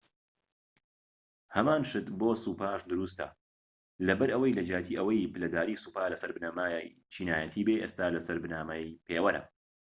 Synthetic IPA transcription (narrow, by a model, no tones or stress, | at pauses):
hɐmaːnʃɨt̪boːsuːpaːʃd̪ɨɾuːst̪ɐ̰ | lɐbɐɾʔɐwɐjlɐd͡ʒaːt̪ʰiːʔɐwɐjpɨlɐd̪aːɾiːsuːpaːlɐsɐɾbɨnaːmaːjj | t͡ʃʰiːnaːjɐt̪ʰiːbeʔeːst̪aːlɐsɐɾbɨnaːmɐjpʰeːwɐɾɐ̰m